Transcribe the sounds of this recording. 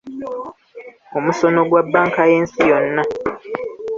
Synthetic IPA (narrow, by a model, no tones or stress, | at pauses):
o̞muso̞no̞ɡwabːaːŋkaje̞ːnsijo̞nːa